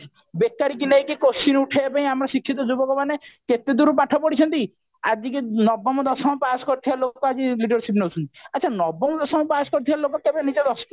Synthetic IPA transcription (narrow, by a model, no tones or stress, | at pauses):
bekːaɾikinajkekosinuʈʰeepaĩamɾɔsikʰːit̪̬ɔd͡ʒubɔkɔmaneket̪ed̪uɾupaʈʰɔpɔɽit͡ʃʰɔnt̪i | ad͡ʒikinɔbɔmɔd̪ɔsɔmɔpasɔ̥kɔɾt̪ʰibalokɔad͡ʒiliɖɔɾsip̬newt͡ʃʰɔnt̪iaːt͡ʃʰanɔbɔmɔd̪ɔsɔmɔpaskɔɾt̪ʰibalokɔkebenid͡ʒɔd̪ɔsɔ̥